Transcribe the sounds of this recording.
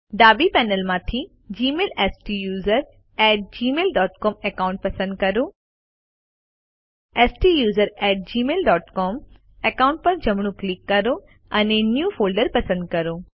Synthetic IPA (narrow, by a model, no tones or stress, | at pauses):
ɖaːbipɛːnəlmãːt̪ʰi | d͡ʑiːmeːlɛːsʈijuːzəɾ | ɛːʈ̚d͡ʑiːmeːlɖɔːʈkɔːmekaːʊ̃ɳʈ̚pɐsə̃nd̪̚kɐɾoː | eːsʈijuːzəɾɛːʈ̚d͡ʑiːmeːlɖɔːʈkɔːm | ekaːwʊ̃ɳʈ̚pɐɾd͡ʑɐmɽ̃ũklɪkːɐɾo | ɐnenjuːfʰoːlɖəɾpɐsə̃nd̪̚kɐɾoː